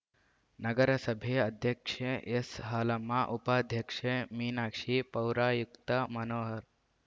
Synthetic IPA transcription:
nɐɡəɾəsəbʱeɐd̪ʱjəkʂeesɦaːlamːaʔupaːd̪ʱjəkʂemiːnakʂiːpɐwɾaːjukt̪əmɐnoːɦəɾ

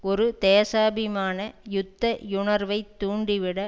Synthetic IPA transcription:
ɔɾɯt̪eːsaːbɪmaːnɐjʊt̪ːɐʊɳɐɾʋɐɪt̪ːuːɳɖɪʋɪɽɐ

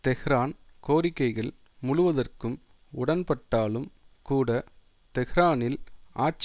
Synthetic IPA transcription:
t̪ɛɣɪɾaːnkoːɾɪkːɐɪɣɐɭ | mʊɻʊʋɐðɐrkɯm | ʊɽɐnpɐʈːaːlɯmkuːɽɐ | t̪ɛɣɪɾaːnɪlaːʈ̚t͡ʃ

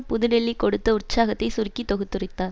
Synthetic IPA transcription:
pʊðɯnɛɭːikːɔɽɯt̪ːɐʊrt͡ʃaːɣɐt̪ːɐɪsʊrkːit̪ːɔɣɯt̪ːɯrɪt̪ːaː

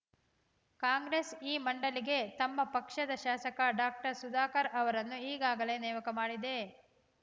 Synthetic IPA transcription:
kaːŋɡɾeːsiːmɐɳɖɐliɡe̞t̪ɐmːɐpɐkʂɐd̪ɐʃaːsɐkɐɖaːk̚ʈɐɾsud̪aːkɐɾɐʋɐɾɐnːuiːɡaːɡɐle̞ːnɛːʋɐkɐmaːɽid̪e̞

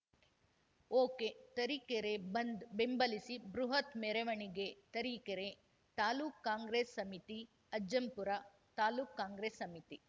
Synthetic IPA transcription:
oːket̪ɐɾiːkeɾebɐnd̪bembɐlisibɾuɦɐt̪meɾeʋɐɳiɡet̪ɐɾiːkeɾe | t̪aːluːkːaːŋɡɾeːsːɐmit̪i | ɐd͡ʒɐmpuɾɐ | t̪aːluːkːaːŋɡɾeːsːɐmit̪i

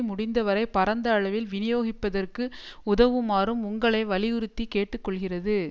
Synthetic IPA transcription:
mʊɽɪnd̪ɐʋɐɾɐɪpɐɾɐnd̪ɐːɭɐʋɪlʋɪnɪjoːɣɪpːɐðɐrkɯʊðɐʋɯmaːrɯmʊŋɡɐɭɐɪʋɐlɪjʊɾɯt̪ːikeːʈːɯkːɔɭɣɪrɐðɯ

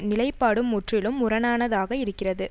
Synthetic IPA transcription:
nɪlɐɪpːaːɽɯmːʊʈrɪlɯmʊrɐnaːnɐðaːɣɐɪɾɯkːɪrɐðɯ

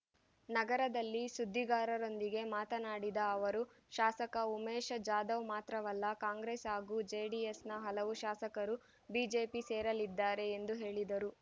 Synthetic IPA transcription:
nɐɡɐɾɐd̪ɐlːisud̪ʱːiɡaːɾɐɾo̞nd̪iɡe̞maːt̪ɐnaːɽid̪ɐːʋɐɾu | ʃaːsɐkɐumɛːʃɐd͡ʒaːd̪ɐʋmaːt̪ɾɐʋɐlːɐkaːŋɡɾesaːɡud͡ʒeɖiesnɐɦɐlɐʋuʃaːsɐkɐɾu | biːd͡ʒeːpiseːɾɐlid̪ːaːɾe̞ːnd̪uɦe̞ːɭid̪ɐɾu

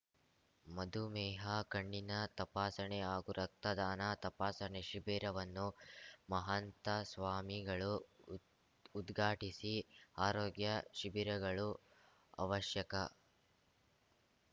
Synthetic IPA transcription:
mɐd̪umɛːɦɐkɐɳːinɐt̪ɐpaːsɐɳɛaːɡuɾʔɐk̚t̪ɐd̪aːnɐt̪ɐpaːsɐɳeʃibiːɾɐʋɐnːumɐɦɐnt̪ɐsʋaːmiɡɐɭu | d̪ɡʱaːʈisiaːɾoːɡjɐʃibiɾɐɡɐɭu | ɐ̰ʋɐʃjɐkɐ

